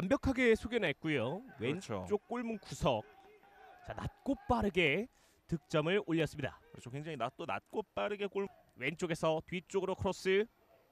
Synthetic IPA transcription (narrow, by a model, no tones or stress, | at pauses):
wambjʌkʰaɡe̞sʰoɡenak͈ujowent͡ɕot͡ɕ͈ok̚k͈oɭmunkusʰʌk̚ | t͡ɕanat̚k͈op͈aɾɯɡe̞ | tɯk̚t͡ɕ͈ʌmɯɭoʎːʌs͈ɯmɲida̰kɯɾʌt͡ɕʰokwe̞ŋd͡ʑaŋinat͈ona̰t̚k͈op͈aɾɯɡe̞k͈oɭ | we̞nt͡ɕ͈oɡe̞sʰʌtɥit͡ɕ͈oɡɯɾokʰɾos͈ɯ